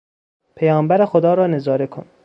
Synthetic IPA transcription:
pʰejɒːmbæɾexod̪ɒːɾɒːne̞zɒːɾekʰo̰n

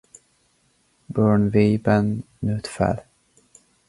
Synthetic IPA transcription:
bœːɳviːbənː | ʉːt̪fɛ̰l

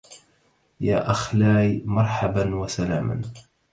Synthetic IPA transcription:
jaːʔaxlaːjmɑɾˤħabanwasalaːma̰n

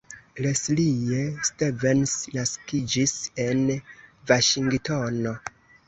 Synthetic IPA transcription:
leslijestevensnaskid͡ʒise̞nvaʃiŋɡtono̞

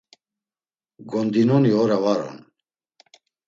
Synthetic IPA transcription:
ɡɔnd̪inɔniɔɾavaɾɔ̰n

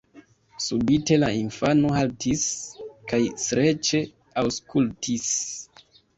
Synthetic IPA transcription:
subite̞lainfano̞ɦaltiskajsɾe̞t͡ʃe̞ | awskultʰis

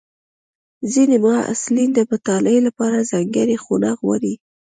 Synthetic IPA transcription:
zinemɑa̰slind̪əbət̪ɑləjlapɑɾazaŋɡəɾexunɑɣwa̰ɾi

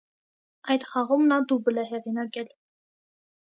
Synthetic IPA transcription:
ɑjt̪χɑʁumnɑd̪ubəlɛɦɛʁinɑkɛl

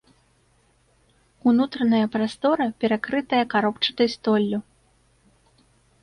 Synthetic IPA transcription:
unut̪ɾɐnɐjɐpɾast̪ɔɾɐpʲɛɾakɾɨt̪ɐjɐkaɾɔpt͡ʂɐ̥t̪ɨjst̪ɔlʲːu

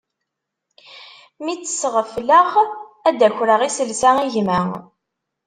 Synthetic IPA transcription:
mit͡sːə̥sʁəfləχæd̪æçɾəʁisəlsæŋiʝmæ

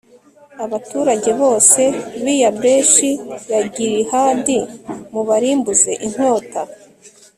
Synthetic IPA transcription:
aβatuːɾaɟe̞βo̞ːse̞βijabeʃiβaɟiɾihandimuβaɾiːmbuze̞ʔiŋ̥ho̞ːta

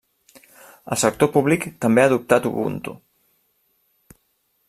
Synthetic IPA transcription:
ə̰lˠsək̚t̪opuβlikt̪əmbeaðup̚t̪at̪uβṵnt̪ṵ

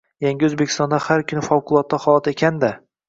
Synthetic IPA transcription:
jaŋɡʲɪɵzbekʲʰɪ̥st̪ɒnd̪ahaɾkʰʲʊnɪfɒwqʰʊlˠɒt̪ːahɒlˠat̪ekʲʰand̪a

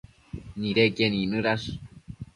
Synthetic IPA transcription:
niɾekeninɨɾas

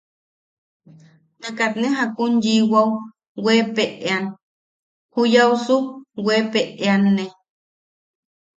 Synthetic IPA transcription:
t̪akat̪neɦakunjiwaw | wepeʔean | hujawsuwepeʔeanːe

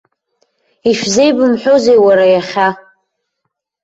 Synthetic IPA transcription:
iʃᶣzejbɨmħʷᶣozejwaɾajaχʲa

